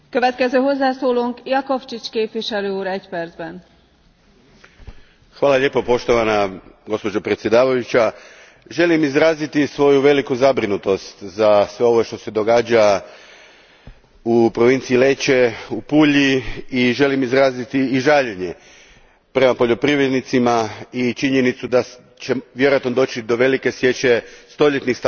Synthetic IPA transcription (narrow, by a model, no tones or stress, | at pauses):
kø̞ʋɛt̪kɛzøːɦo̞zːaːsoːloːŋkjɒko̞ft͡ʃit͡ʃkeːpʋiʃɛløːuːɾɛcpɛrdzbɛn | xʋaːlaʎe̞ːpo̞po̞ʃt̪o̞ʋanaɡo̞spo̞d͡ʒopɾe̞t̪sʲje̞d̪aːʋajut͡ʃa | ʒe̞limizɾaːzit̪isʋo̞juʋe̞likuzabɾinut̪o̞st̪zasʋe̞o̞ʋoʃt̪o̞se̞d̪o̞ɡaːd͡ʒa | upɾo̞ʋint̪siile̞t͡ɕe̞upuːʎiiʒe̞limizɾaːzit̪iːʒaːʎeɲe̞ | pɾe̞mapo̞ʎo̞pɾiʋɾed̪nit̪simait͡ʃiɲe̞nit̪sud̪a | t͡ʃeʋje̞ɾoat̪nod̪o̞ːt͡ɕid̪o̞ʋe̞like̞sje̞t͡ɕe̞st̪o̞ʎe̞t̪nixst̪